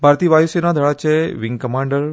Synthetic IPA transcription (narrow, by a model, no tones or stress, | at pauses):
bʱaɾt̪iəʋajusenad̪ʱəɭat͡ʃeʋɪŋɡkəmãɳɖəɾ